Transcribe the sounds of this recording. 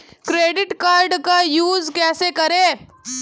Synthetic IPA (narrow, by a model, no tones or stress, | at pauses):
kɾeɖɪʈkaɾɖkajuːzkɛsekəɾe